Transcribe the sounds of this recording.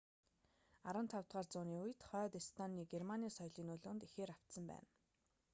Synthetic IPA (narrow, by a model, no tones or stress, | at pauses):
aɾə̆nt̪ʰawt̪ʁaːrt͡sʊːniːuj̆t̪χœːt̪ist̪ʰaniːɡermaniːsɔjɮiːnʊɮʊːnt̪ixeːɾaw̥t̪sə̆mpæ̰ːn